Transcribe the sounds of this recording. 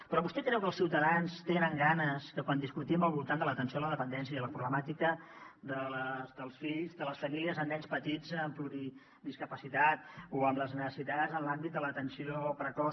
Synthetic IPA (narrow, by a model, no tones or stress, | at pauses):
pɾɔβust̪ɛkɾɛwkəlˠsiwt̪əðanst̪enəŋɡanəskəkwand̪iskut̪imbəlˠβulˠt̪and̪ələt̪ənsioləðəpənd̪ɛnsiəiðələpɾuβləmat̪ikəd̪ələzd̪əlˠsfiʎzðələsfəmiliəzənɛʎspət̪id͡zəɱfluɾi | d̪iskəpəsit̪at̪̚oəmləznəsəsit̪azənlambit̪̚d̪ələt̪ənsiopɾəkɔ